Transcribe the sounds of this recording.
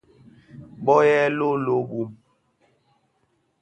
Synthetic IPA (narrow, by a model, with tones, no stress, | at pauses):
bɔ˦jɛ˦lo˦lo˦bu˦m